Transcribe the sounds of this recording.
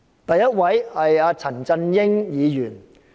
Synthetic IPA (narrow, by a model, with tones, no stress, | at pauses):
t̪ɐ˨jːɐ˥t̚wɐ˨˥jhɐ˨jaː˨˧t͡sʰɐ˨˩nt͡sɐ˧njɪ˥ŋjiː˨˧jyː˨˩n